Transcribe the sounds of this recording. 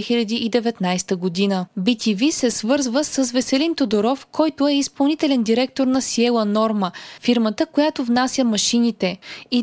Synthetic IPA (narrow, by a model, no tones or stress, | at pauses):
ɛxilʲɐd̪iʔid̪ɛvɛt̪najst̪əɡod̪inəbit̪ʰivisɛsvɤɾzvəsəsvɛsɛlint̪od̪oɾɔfkɔjt̪ʊɛispɐlˠnit̪ɛlɛnd̪iɾɛk̚t̪oɾnɐsiɛlˠənɔɾməfiɾmət̪əkojat̪ovnasʲjəmɐʃinit̪ɛi